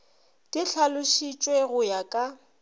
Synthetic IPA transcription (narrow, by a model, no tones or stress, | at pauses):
tʼɪɬʰalʊʃit͡ʃʼweɣʊjakʼa